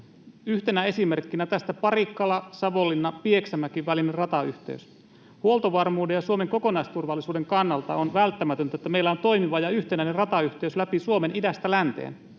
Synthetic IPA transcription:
yht̪e̞næe̞sime̞rkːinæt̪æst̪æpɑrikːɑlɑsɑʋo̞lːinːɑpie̞ksæmækiʋʋælinerɑt̪ɑy̰ht̪e̞̰ys | huo̞lt̪oʋɑrmuːdejɑsuome̞ŋko̞ko̞nɑist̪urʋɑlːisuːde̞ŋkɑnːɑlt̪ɑ̰onʋælt̪ːæmæt̪ønt̪æet̪ːæmeilːæont̪o̞ijmiʋɑjɑyht̪enæinerɑt̪ɑyçt̪e̞yslæpisuome̞nʔidæst̪ælænt̪ḛːn

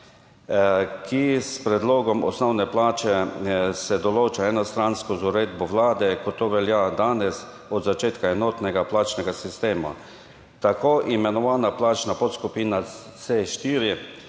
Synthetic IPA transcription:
kʰispɾɛd̪loːɡɔmɔ̰snɔwnɛplaːt͡ʃɛsɛd̪ɔloːt͡ʃaɛnɔst̪ɾanskɔzuɾeːd̪bɔʋlaːd̪ɛkɔt̪ːoʋɛljad̪aːnɛs | ɔd̪zat͡ʃeːt̪kaɛnɔːt̪nɛɡaplaːt͡ʃnɛɡasist̪eːma̰ | t̪akʰoːʔimɛnɔʋaːnaplaːt͡ʃnapɔt̪skupiːna | seʃt̪iːɾi

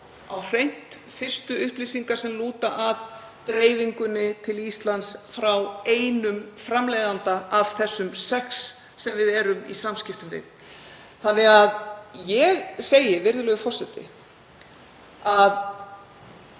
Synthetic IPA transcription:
awr̥ejn̥t̪ | fɪr̥st̪ʏʏhpliːsiŋkaɾ̥sɛmluːt̪aʔað | t̪ɾeːjviŋkʏnːɪt̪ʰɪlist̪lant̪sfɾaweːjnʏmfɾamlɛjðant̪aav̥θɛsːʏmsɛksː | ɛmvɪðɛːɾʏmḭsamscɪft̪ʏmvɪ̰t̪n | θanːɛɣaðjɛɣseːjɪvɪɾðʏlœɣʏfɔr̥sɛt̪ɪ̰ | að

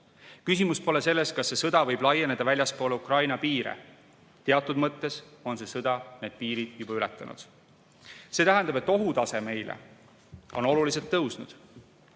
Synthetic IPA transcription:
kysimuspo̞le̞se̞lːe̞skɑsːe̞sɤd̪̥ɑvɤ̞jb̥lɑjene̞d̪̥ɑvælʲjɑspoːleukrɑjnɑpiːɾḛ | t̪e̞ɑt̪ːˑud̪mɤt̪ːe̞so̞nse̞sɤd̪̥ɑne̞ːd̪̥̚piːɾid̪̥jub̥ɑylɛt̪ːˑɑ̰nʔṵd̪̥ | se̞ːt̪æɦænɑbe̞t̪ːˑo̞ɦut̪ɑse̞me̞jlḛ | o̞no̞lulis̬e̞lt̪ːɤwsnud̪̥

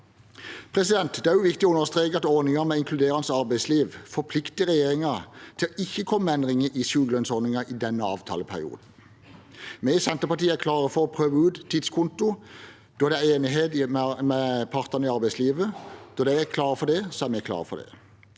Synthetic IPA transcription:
pʰʁɛsɪd̪ɛnt̪d̪ɛæɾjʊʋɪkt̪ɪɔʉnəst̪ɾʁeːkəɑt̪ɔɾnɪŋɑmɛɪŋkʰlʉd̪eːʁɑnsɑɾbæɪsliːʋfɔpʰlɪkt̪ɪəʁɛjeːʁɪŋɑt̪ʰɪlɪçːəkʰɔmːəɛnd̪ʁɪŋəʔiʃʉːɡəlœnsɔɾnɪŋɑʔid̪ɛnːəɑ̰ːʋt̪ʰɑ̰ːləpʰæ̰ʁɪ̰ṵːd̪n̩ | mɛsɛnt̪əpɑʈ̪iːəæɾkʰlɑːʁəfɔɔpʰʁøːʋəʉːt̪t̪ʰːiːd̪skʰʊnt̪ʊ | d̪̥ɔd̪ɛæeːnɪɦeːt̪mmɛpʰɑʁt̪ənəɪɑɾbæɪsliːʋəd̪̥ɔd̪æɪækʰlɑːʁfɔd̪ɛsɔæɾmɛkʰlɑ̰ːʁfɔ̰d̪ɛ̰

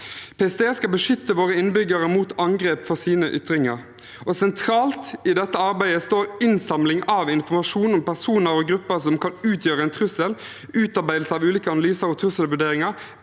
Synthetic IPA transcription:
pʰeːɛsd̪eːskɑlbəʂʏt̪ːəʋoːʁəɪnbʏɡəʁəmuːt̪ɑŋɡʁeːpfɔsiːnəʔʏt̪ɾɪŋəʁ | ɔsɛnt̪ʰɾɑːlt̪ɪd̪ɛt̪ːəɑɾbæɪd̪əst̪oːɾɪnsɑmlɪŋɑʋɪnfɔmɑʂuːnɔmpæʁsuːnəɾɔɡɾʉpːəsɔmkʰɑnʉːt̪ʰjøːʁəɛɪnt̪ʰʁʉsəl | ʉːt̪ɑʁbæɪl̩sɑʋʉːliːkəɑnɑlyːsəɾɔt̪ʰɾʉsəlʋʉɖeːɾɪŋɑʁ

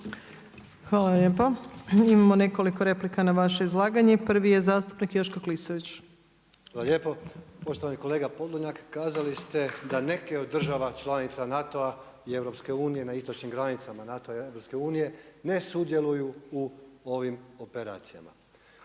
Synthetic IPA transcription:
xʋaːlˠaʎeːpoimamone̞ko̞likoɾe̞plikanaʋaʃeizlˠaːɡaɲepr̩ʋijezaːst̪u̥pnikjoʃkoklisoʋit͡ɕ | xʋaːlaʎʲjeːpopo̞ʃt̪oʋaniko̞le̞ːɡapod̪lˠoɲakːaːzalist̪e̞d̪ane̞keod̪ːr̩ʒaʋat͡ʃlˠanit̪sanat̪oa | ie̞vɾo̞pske̞uːnijenaist̪ot͡ʃnimɡɾanit̪samanat̪oaievɾo̞pske̞uːnije̞ne̞sud̪je̞lujuuoʋimopeɾa̰ːt̪sijama̰

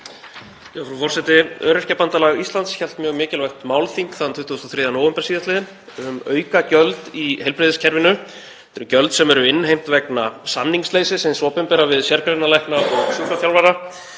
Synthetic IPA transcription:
jɛfɾufɔr̥sɛt̪ɪœːɾɪscɛpant̪alaɣist̪lant̪sçɛl̥t̪mjœːɣmɪːcɪlvaxt̪maːwlθiŋkθaðant̪ʰʏht̪uɔst̪ɔθɾɪːðanowʏmpɛɾ̥siːðast̪ɪːðɪn | ʏmœːɥkacœlt̪ihejlpɾɪðɪscʰɛɾvɪnʏ | t̪ɛɾʏcœlt̪sɛmɛɾʏɪnːhejm̥t̪vɛknasamniŋkslejsɪsɛnsɔːpɪmpɛɾavɪðsjɛɾkaɾɪnalajhknaɔɣsʏkɾafjawlvaɾa

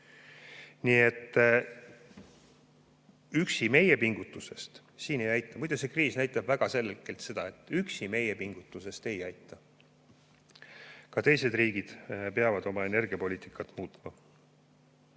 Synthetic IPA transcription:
niːe̞t̪ːˑ | yksime̞je̞piŋɡ̥ut̪ːˑuse̞st̪ | siːne̞jɑjt̪ˑːɑmud̪̥use̞kriːsnæjt̪ˑːɑb̥væɡ̥ɑse̞lːkːe̞lt̪se̞d̪̥ɑe̞t̪ːˑyksime̞je̞piŋɡ̥ut̪ːˑuse̞st̪e̞jɑjt̪ːˑɑ | kɑt̪e̞jse̞d̪riːɡ̥id̪̥peɑvɑd̪o̞mɑe̞ne̞rɡ̥iɑpo̞lʲiːt̪ːˑikːˑɑt̪ːˑmuːt̪ˑmɑ

